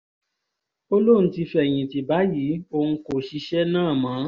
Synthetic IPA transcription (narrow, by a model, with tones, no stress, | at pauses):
o˦lõ˦˨˦ti˧fɛ˨j̃ĩ˨ti˨ba˨˦jiː˨˦o˧ŋ̩˦ko˦˨ʃi˧ʃɛ˦nãː˦˨mã˨˦